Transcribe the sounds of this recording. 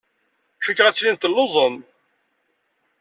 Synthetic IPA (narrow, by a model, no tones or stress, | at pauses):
ʃəkːʁæt͡sːlint̪əlːozˤəm